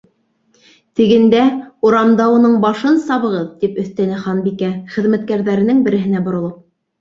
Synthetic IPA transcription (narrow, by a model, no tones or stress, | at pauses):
t̪ɘ̆ɡɘ̆nd̪æuɾɑmd̪ɑunɤɴbɑʃɤnsɑβɤ̆ʁɤðt̪ipɵ̆θt̪ænɘχɑnbikæχɘ̆ðmæt̪̚kæɾðæɾɘ̆nɘŋbɘ̆ɾɘ̆ɦɘ̆næbŏɾŏlˠɤp̚